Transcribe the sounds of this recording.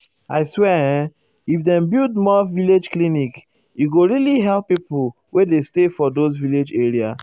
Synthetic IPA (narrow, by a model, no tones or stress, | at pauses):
aɪswɛ̃ | ifdɛ̃mbildmɔviled͡ʒklĩnik | juɡoɹiliɦɛlpːipʊ | wedestefɔdozviled͡ʒeɹia